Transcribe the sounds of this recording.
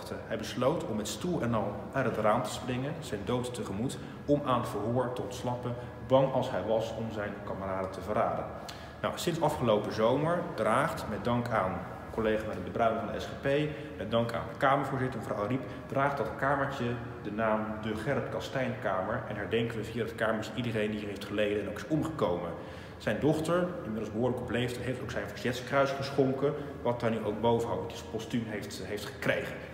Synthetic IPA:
təɦɛjbəslowtɔmɛtstulˠɛnɑlˠ | atɦətraːmtə̥sprɪŋənz̥ɛjndowttəχəmut | ɔmaːnəfəɹɦʊːɹtəɔntslɑpən | bɑŋɑlˠsɦɛjʋɑsɔmzɛjnkɑməraːdətəvəraːdə̰n | na̰wsɪnsɑfχəlowpəzowməɹdraːχtmɛt̚dɑŋkʰaːn | kɔlejχamadəbəbrœɥɪŋvɑndəɛ̰sχepej | mɛt̚dɑŋka̰ːndəkaːməɹvʊːɹzɪtəɹməvrawrip | d̥raːχd̚dɑtəkaːməɹt͡ʃə | dənaːmdəχɛrtkɑstɛjnkaːməɹɛ̰nɦɛɹdɛŋkəʋəviaːddəkaːməɹt͡ʃidəɾejndiɹɦejftχəlejdəɛnowkɪ̥sɔmχəkowmən | z̥ɛjndɔχtəɹɪmɪdlˠzbəɦʊːɹləkɔplejftəɦejftowksɛjnvəɹzɛtskrœɥsχəsχɔŋkə | ʋɑt̚aɹnyowɡ̚bowvəɦɑŋdisəpɔstymɦejftɦejftχə̥krejχən

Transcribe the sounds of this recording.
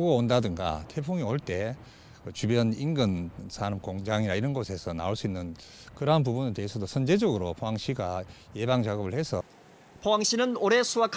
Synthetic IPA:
ɡɡaondadɯŋɡa̰tʰepʰuŋioɭt͈e̞ | kɯt͡ɕubjʌninɡɯnsʰaɾʌmkoŋd͡ʑaŋiɾaiɾʌnɡosʰe̞sʰʌna̰oɭs͈uinːɯn | kɯɾanp̬ubuneteɦesʰʌdosʰʌnd͡ʑe̞d͡ʑʌɡɯɾopʰoaŋɕ͈ʰiɡaje̞baŋt͡ɕaɡʌbɯɭhe̞sʰʌ | pʰoaŋɕ͈ʰinɯnoɾe̞sʰuakʰ

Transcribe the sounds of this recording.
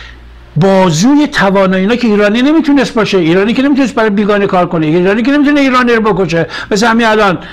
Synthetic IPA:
bɒːzuːjet̪ʰævɒːnɒːjiːnɒːkʰeiːɾɒːnine̞miːt̪ʰunest̪bɒːʃeiːɾɒːniːkenemit̪unest̚bæɾɒjebiːɡɒːnekʰɒːɾkoneiiːɾɒːniːkʰene̞mit̪uneiːɾɒːniɾobokoʃemes̬ehæmiælɒn

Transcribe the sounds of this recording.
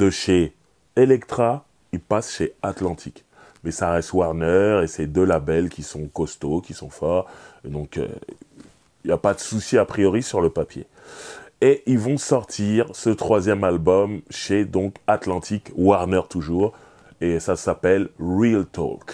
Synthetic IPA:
d̪̥əʃe | elɛkt̪χa | ilpasʃeat̪lɑ̃t̪ʰik | mɛsaʁɛst̪waʁnœʁesed̪ølabɛlkʲisɔ̃kɔst̪okʲisɔ̃fɔʁd̪ɔ̃kø̰ | iljapad̪əsusiapχijɔʁisyʁləpapjḛ | eʔilvɔ̃sɔʁt̪ʰiʁsət̪χwazjɛmalbɔmʃed̪ɔ̃kat̪lɑ̃t̪ʰikwaʁnœʁt̪uʒuːʁ | esasapɛlʁilt̪ɔ̰k

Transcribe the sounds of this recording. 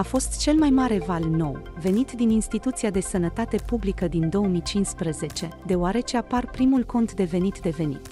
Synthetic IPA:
afo̞st̪t͡ʃe̞lmajmaɾe̞valno̞̰w | ve̞nit̪d̪ininst̪it̪ut̪siad̪e̞sənət̪at̪e̞publikəd̪ind̪o̞əmit͡ʃinspɾəze̞t͡ʃe̞d̪e̞oaɾe̞t͡ʃe̞aparpɾimulko̞nt̪d̪e̞ve̞nit̪d̪e̞ve̞nḭt̪

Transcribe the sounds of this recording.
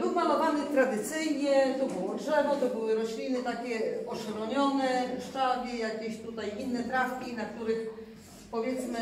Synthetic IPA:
bɘwmalɔvanɘt̪ɾad̪ɘt̪sɘjɲɛt̪ɔbɨwɔdʐɛvɔt̪ɔbɘwɘɾɔɕlʲinɘt̪akʲɛɔʂaɾɔɲɔnɛʂt͡ʂaɡʲijakʲeɕt̪ut̪ajinːɛt̪ɾafkʲinak̚t̪uɾɘx | pɔvʲjɛt̪smɘ

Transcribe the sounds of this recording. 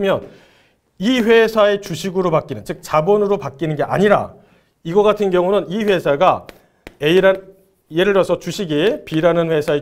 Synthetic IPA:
mjʌn | iɸwe̞sʰae̞t͡ɕuɕʰiɡɯɾopak͈inɯnt͡ɕɯk̚t͡ɕabʌnɯɾopak͈inɯnɡe̞ʔa̰ɲiɾa̰ | iɡʌɡatʰɯnɡjʌŋunɯniɸwe̞sʰaɡa | eiɾa | jeɾɯɭjʌsʰʌt͡ɕuɕʰiɡepiɾanɯnɸwe̞sʰae

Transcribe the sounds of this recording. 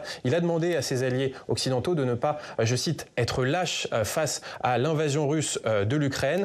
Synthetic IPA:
ilad̪əmɑ̃d̪easezaljeɔksid̪ɑ̃t̪od̪ənəpaʒəsit̪ɛt̪χəlaʃfasalɛ̃vazjɔ̃ʁysd̪əlykχɛn

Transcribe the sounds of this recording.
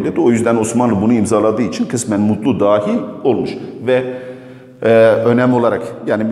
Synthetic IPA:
lʲed̪io̞jyzd̪æno̞smanlˠɯbunuimzalˠad̪ɯːit͡ʃʰinkʰɯsmænmut̪lˠud̪aːhilʲo̞lˠmuʃvɛ | ø̞nɛmo̞lˠaɾakjaːni

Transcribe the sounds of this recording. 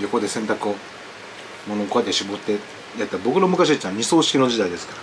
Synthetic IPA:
jo̞ko̞d̪e̞sẽ̞nt̪akɯo | mo̞nokoad̪eɕibot̪ːe | jat̪ːabo̞kɯ̟ɾomɯ̟kaɕ̬it͡ɕːãɲ̟iso̞ːɕi̥kʲino̞d͡ʑid̪aid̪e̞sɨ̥kaɾa

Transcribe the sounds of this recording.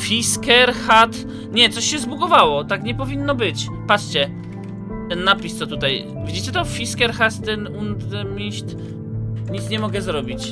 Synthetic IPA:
fʲiskɛɾxat̪ | ɲɛt̪sɔɕɕɛzbuɡɔvawɔt̪akɲɛpɔvʲinːɔbɘt͡ɕ | patʂt͡ɕɛ | t̪ɛnːapʲist̪sɔt̪ut̪aj | vʲid͡ʑit͡ɕɛt̪ɔfʲiskɛɾxast̪ːɛnund̪mʲiɕt̪ | ɲit̪sɲɛmɔɡɛzɾɔbʲit͡ɕ

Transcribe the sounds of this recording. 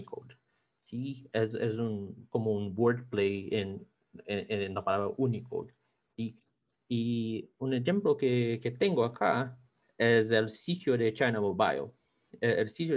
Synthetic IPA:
kʰo̰d̪ | siɛzɛ̰zũnkomoũŋboɾd̪plejen | enɐpalaβɾɐʔunikʰo̰d̪ | siː | ũnezẽmplokeket̪ẽŋɡoakʰa̰ | ɛzelsit̪jod̪et͡ʃajnɐmoba̰jl | ɛelsit̪jo

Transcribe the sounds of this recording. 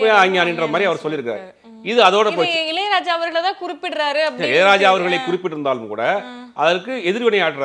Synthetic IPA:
jaɐŋɡaːnːɪndrɐðɯmaːd̪ɾiɐʋɐɾsɔlːɪɾɯkːɾa̰ːɾ | ɪðɯɐðoːɽɐpːoːɪlɐjɾaːd͡ʒaːʋɐɾɣɐɭt̪ãːkʊɾɪpːɪɽɾaːɾɯɐpːɐsɾɪlɐɾaːd͡ʒaːʋɐɾɣɐɭɐɪkʊɾɪpːɪʈːɪɾɯnd̪aːlɯmkṵːɽɐʔɐðɐɾkːɯɛðɪɾʋɪnɐjaːʈːɯɾ

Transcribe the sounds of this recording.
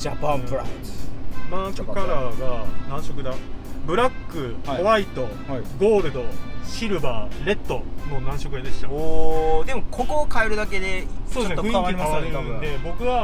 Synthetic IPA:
d͡ʑapãɾasmãkɯkaɾaɡanãɰɕo̞kɯ̟d̪abɯ̟ɾakːɯ̟oβait̪o̞ | ɡo̞ːɾɯ̟d̪o̞ɕiɾɯ̟baːɾe̞t̪ːo̞no̞nãɰ̃ɕo̞kɯ̟jed̪e̞st̪a | d̪e̞mo̞kʰo̞ko̞kaeɾɯ̟d̪ake̞d̪esod̪st̪ĩaimasɯ̃nd̪e̞bo̞kɯ̟βa

